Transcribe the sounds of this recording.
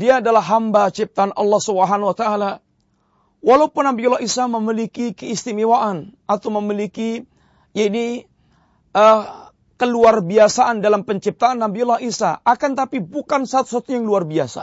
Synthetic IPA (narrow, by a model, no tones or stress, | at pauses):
diaːdalaɦambat͡ʃip̚t̪aːnʔɑ̰lːɑhsubəɦanwat̪aala | walaupʊnːambiulːaʔisaməmilikikəist̪imiwaʔanat̪awməmiliki | jaini | ə | kəluarbiasaʔandalampəɲt͡ʃip̚t̪aːnːambiulːahisa̰akant̪apibukansat̪u̥sat̪ujaŋluarbiasa̰